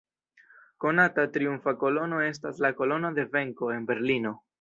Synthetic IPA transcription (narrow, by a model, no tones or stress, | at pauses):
ko̞natatɾiuɱfako̞lo̞no̞e̞s̬taslako̞lo̞no̞de̞ve̞ŋko̞e̞nbe̞ɾlino̞